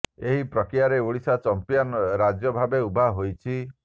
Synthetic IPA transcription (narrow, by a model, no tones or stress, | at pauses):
eɦipɾɔkɾijaɾeuɭisat͡ʃɔmpijɔnɾad͡ʒjɔbʱabeubʱaɦojt͡ʃʰi